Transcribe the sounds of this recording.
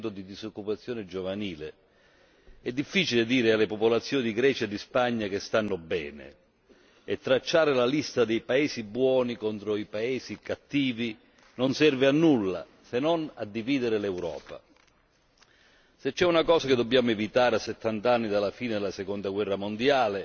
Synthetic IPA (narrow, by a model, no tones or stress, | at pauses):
t̪ʊd̪id̪isokːupat̪sːjɔːnɪd͡ʒovaniːle | ɛd̪ːifːiːt͡ʃiled̪iːɾɪalːepopolat̪sːjɔːnid̪iɡɾɛːt͡ʃaed̪ːispaɲːakɪst̪anːʊbɛːnɪ̰ | ɛt̪ːɾat͡ʃːaːɾɪlalist̪ad̪ejpaɛːsibwɔːnikɔnt̪ɾoipaɛːsikat̪ːiːvi | nonsɛrvɪanːulːa̰ | senːɔna̰d̪ːiviːd̪ɪɾɪlɛwɾɔ̰ːpa̰ | set͡ʃːɛunakɔːsakɪd̪ːobːjaːmʊɛvit̪aːɾeasːɛt̪ːant̪anːid̪alːafiːnɪd̪ɪlasekɔnd̪aɡwɛrːamond̪jaːle